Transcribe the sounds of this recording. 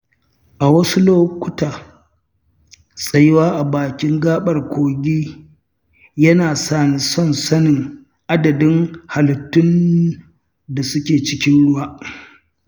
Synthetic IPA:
ʔa˨wɐ˦su˦loː˦kʷʊ˦taː˨ | sʼɐ˨jɪ˦waː˦ʔa˨baː˨kʲɪ˦ŋɡaː˦ɓɐ˨rkʷʰoː˨ɡʲiː˦ | jɐ˦naː˨saː˦˨ni˨sɔ˦˨nsɐ˦nɪ˨ŋ | ʔa˦dɐ˨dɪ˦ŋha˨ltːʊ˦n | da˨sʊ˦kʲeː˨t͡ʃɪ˦kʲɪ˦nɽʊ˦waː˦

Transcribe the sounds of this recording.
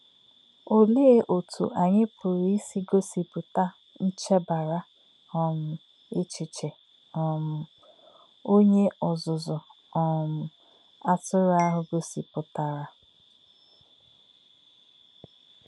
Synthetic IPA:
o˨le˦e˦ʔo˨tʰṵ˨ʔa˨ɲɪ˦pʊ˨ɾi˦si˦ɡo˦si˨pʊ˨ta˦ | n̩˦t͡ʃe˦ba˨ɾa˦ | ɔ˨mʊ˨ | e˦t͡ʃɪ˨t͡ʃe˨ | ɔ˨mʊ˨ | o˦ɲe˦ɔ˨zʊ˨zʊ˨ | ɔ˨mʊ˨ | a˦tʊ˦ɾʊ˦a˦ɦʊ˨ɡo˦si˨pʊ˨ta˦˨ɾa˦

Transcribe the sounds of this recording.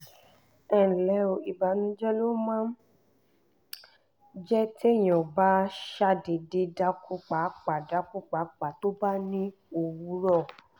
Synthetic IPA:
ɛ̃˨lɛ˨˦o˧˨i˨ba˨nũ˨˦d͡ʒɛ˦lo˦mãː˦ | d͡ʒɛ˦te˦˨j̃ɔ̃˨ba˦ʃa˧de˨de˧da˦ku˦k͡pa˨˦k͡pa˨da˨˦ku˦k͡pa˨˦k͡pa˨to˦ba˦nĩ˦ | o˧wu˨˦ɾɔ˦˨

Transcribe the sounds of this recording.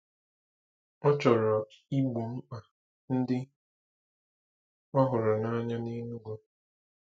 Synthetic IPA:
ɔ˦t͡ʃɔ˨ɾɔ˨i˦ɡ͡bo˨m̩˦k͡pa˨ | n̩˦dɪ˦ | ɔ˦ɦʊ˨ɾɔ˨na˦ɲa˦ni˦nu˦ɡo˦

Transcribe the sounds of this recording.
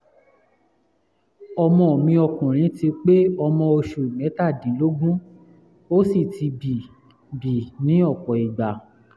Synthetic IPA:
ɔ˧mɔ̃˧o˨mĩ˧ɔ˧kũ˨ɾ̃ĩ˨˦ti˧k͡pe˦ɔ˧mɔ̃˧o˧ʃu˨mɛ̃˨˦ta˦˨dĩ˨˦lo˦ɡũ˦ | o˦si˦˨ti˧bi˨ | bi˨nĩ˨˦ɔ˦˨kɔ˨i˨ɡ͡ba˨

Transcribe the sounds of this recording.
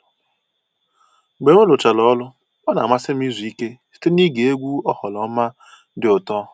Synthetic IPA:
ɡ͡be˨ŋʷe˦lʊ˨t͡ʃa˨lɔ˦lʊ˦ | ɔ˦na˨ma˦sɪ˦m̩˦i˦zu˨i˦ke˦si̥˦te˦ni˦ɡe˨e˦ɡʷu˦ɔ˦hɔ˨lɔ˨˦ma˦ | dɪ˨ʊ˨tɔ˦

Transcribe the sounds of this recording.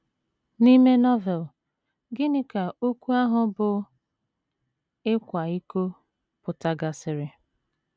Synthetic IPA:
ni˦me˦nɔ˦vɛ˨l | ɡɪ˦nɪ˦ka˨ʔo˦kʷu˦a˦ɦʊ˨bʊ˨ | ɪ˦kʷa˨i˦ko˦ | pʊ˨ta˦ɡa˨sɪ˨ɾɪ˨

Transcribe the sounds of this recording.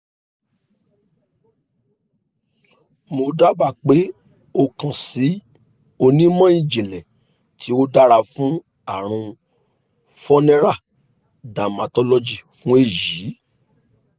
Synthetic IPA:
mo˧da˦ɡ͡ba˦˨k͡pe˨˦ | o˧kã˨si˨˦ | o˧nĩ˦mã˦ĩ˦˨d͡ʒĩ˨lɛ˨ | tʰi˨˦o˦da˦ɾa˧fũ˦ | a˦˨ɾ̃ũ˧ | fɔ˦nɛ̃˦ɾa˦˨ | da˨mã˨˧tɔ˦lɔ˦d͡ʒi˦˨fũ˦e˦˨ji˨˦

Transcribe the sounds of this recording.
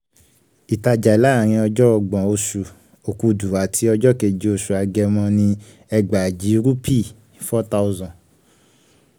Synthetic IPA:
i˨ta˧d͡ʒa˨i˨la˨˦˨ɾ̃ĩ˧ɔ˧d͡ʒɔ˦ɔ˧ɡ͡bɔ̃˨o˧ʃu˨ | o˨ku˧du˨a˨tʰi˧ɔ˧d͡ʒɔ˦ke˨d͡ʒi˨˦o˧˨ʃu˨a˨˧ɡɛ˧mɔ̃˧nĩ˧ | ɛ˧ɡ͡ba˨d͡ʒi˨˦ɾu˦pi˦˨ | fɔ˦ta˦u˧zɔ̃˨

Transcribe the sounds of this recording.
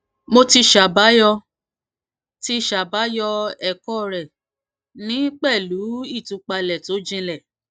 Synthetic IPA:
mo˧ti˧ʃa˨ba˨˦jɔ˧ | ti˧ʃa˨ba˨˦jɔ˧ɛ˨kɔ˦ɾɛ˨ | nĩ˦k͡pɛ˦˨lu˨˦i˦˨tũ˧˦k͡pa˧lɛ˨to˨˦d͡ʒĩ˧lɛ˦˨

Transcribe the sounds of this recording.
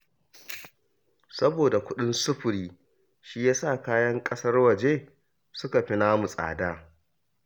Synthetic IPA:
sɐ˦boː˨da˨kʷʊ˦ɗɪ˦nsʊ˦ɸʊ˨ɾiː˦ | ʃi˦jaː˦saː˦˨kaː˦jɐ˦ŋkʼɐ˦sɐ˦rwɐ˨d͡ʒeː˦ | sʊ˦ka˨ɸi˦naː˦mu˨sʼa̰ː˨daː˦

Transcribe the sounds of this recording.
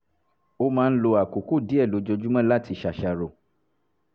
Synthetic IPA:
o˦mãː˦˧n̩˦lo˧a˨ku˨ku˦˨di˨˦ɛ˦˨lo˨˦d͡ʒo˧d͡ʒu˦mã˦la˦˨ti˧ʃa˨ʃa˧˨ɾo˨

